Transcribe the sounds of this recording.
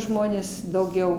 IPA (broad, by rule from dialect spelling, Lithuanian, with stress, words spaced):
ˈʒmoːnʲeːs dɐʊˈɡʲɛʊ